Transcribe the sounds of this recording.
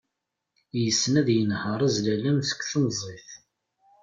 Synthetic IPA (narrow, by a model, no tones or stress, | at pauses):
jəsːnæðjənhəɾˤæzlælæmθə̥kʷːθənzˤeθ